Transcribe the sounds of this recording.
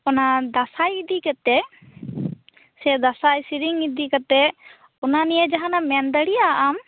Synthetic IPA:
ɔnad̪asajid̪ikat̪ɛ | sɛd̪asajsiɾiŋid̪ikat̪ɛ | ɔnanijəd͡ʒaɦanamɛnd̪əɽijaʔam

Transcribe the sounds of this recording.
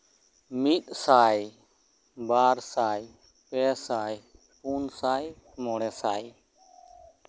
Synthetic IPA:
miːt̪saːj | baːɾsaːj | pɛːsaːj | puːnsaːi | moːɽɛːsaːj

